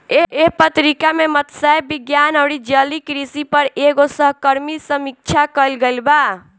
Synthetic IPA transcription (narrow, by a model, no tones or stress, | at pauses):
eeɦpət̪ɾikamemət̪saebiɡjanəwɾid͡ʒəlikɾisipəɾeɡosəɦkəɾmisəmik̚t͡ʃʰakəlɡelba